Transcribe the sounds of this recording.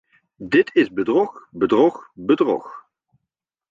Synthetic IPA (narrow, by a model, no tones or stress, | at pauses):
dɪtʰɪzbədrɔχbədrɔχbədrɔ̰χ